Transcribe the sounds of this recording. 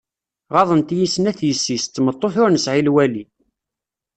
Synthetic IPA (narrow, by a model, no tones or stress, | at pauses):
ʁɑðˤənt̪jisːnæθjəsːist̪ːmət̪ˤːoθʊɾnəsʕilwæli